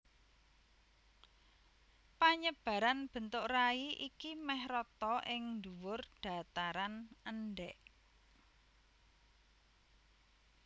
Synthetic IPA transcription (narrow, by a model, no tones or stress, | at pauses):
paɲəb̥ä̤ɾanb̥ə̤nt̪ʊʔraiʔikimɛhɾɔt̪ɔʔɪŋnd̪uwʊrɖ̥a̤t̪aɾanənɖɛʔ